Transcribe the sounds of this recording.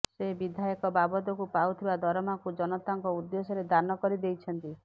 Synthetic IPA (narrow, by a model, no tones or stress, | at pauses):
sebid̪ʱajɔkɔbabɔd̪ɔkupawt̪ʰibad̪ʱɔɾɔmakud͡ʒɔnɔt̪aŋkɔud̪ːesɔɾed̪anɔkɔɾid̪ejt͡ʃʰɔnt̪i